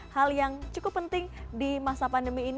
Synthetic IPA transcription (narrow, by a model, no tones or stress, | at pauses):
haljaŋt͡ʃukʊpːənt̪ɪŋdimasapandəmiːn